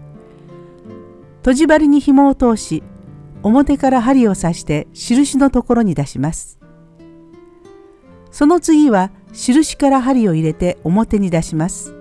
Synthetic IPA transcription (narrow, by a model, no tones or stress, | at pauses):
t̪o̞ʑibaɾʲiɲ̟içimo̞ːt̪o̞ːɕio̞mo̞t̪e̞kaɾaɦaɾʲio̞saɕi̥t̪e̞ɕiɾɯ̟ɕino̞t̪o̞ko̞ɾo̞ɲ̟id̪aɕimasɨ̥ | so̞no̞t͡sɨɡʲiβa | ɕiɾɯ̟ɕi̥kaɾaɦaɾʲio̞iɾe̞t̪e̞o̞mo̞t̪e̞ɲ̟id̪aɕimasɨ̥